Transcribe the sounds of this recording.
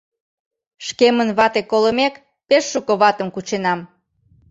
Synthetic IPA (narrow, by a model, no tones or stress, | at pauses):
ʃkemənβɑt̪ekoləmek | peʃːukoβɑt̪əmkut͡ɕenɑm